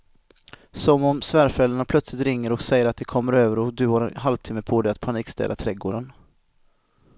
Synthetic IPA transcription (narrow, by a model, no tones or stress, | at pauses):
sɔmɔmsvæːɾfɾɛld̪əɳapʰlœt̪slɪt̪ɾɪŋːəɾɔksɛjəɾat̪̚d̪ɛkʰɔmːəɾøːvəɾɔd̪ɵhaɾɛ̰nɦalvt̪ʰɪmːəpʰod̪ɛjat̪pʰaniːkst̪ɛ̰ːd̪at̪ʰɾɛɡoːɖən